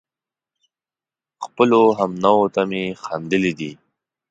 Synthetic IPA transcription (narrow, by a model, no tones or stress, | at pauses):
xpəloɦamnawot̪amexand̪əlid̪i